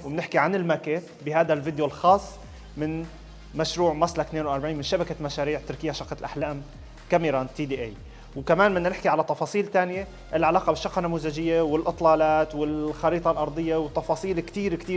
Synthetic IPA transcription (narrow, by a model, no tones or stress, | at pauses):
wɪmnɪħkiʕanɪlmakeːt̪ | bɪɦaːd̪alvɪd̪jolxɑːsˤː | mɪn | maʃɾuːʕmɑsˤlat̪neːnwʔaɾˤbaʕiːnmɪnʃabakamaʃaːɾiːʕt̪ɪɾkɪjːaʃɑqːɑlʔaħlaːm | kamiɾˤɑːnt̪iːd̪iːʔeːj | wkamaːnmɪnːanɪħkiʕalat̪ːɑfɑːsˤiːlt̪aːnɪje | ʔɪlʕalaːqɑbɪʃːɑqːɑnːamuːzaʒɪjːewɪlʔɨt̪ˤlɑːlaːt̪wɪlxɑɾiːt̪ˤɑlʔɑɾˤd̪ˤɨjːawɪt̪ːɑfɑːsˤiːlkt̪iːɾkt̪iː